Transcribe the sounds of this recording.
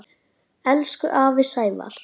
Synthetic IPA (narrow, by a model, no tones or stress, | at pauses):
ɛlskʏʔaːvɪsaːjva̰ɾ̥